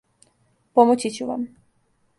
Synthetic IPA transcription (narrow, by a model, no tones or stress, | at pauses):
pomot͡ɕit͡ɕuʋa̰m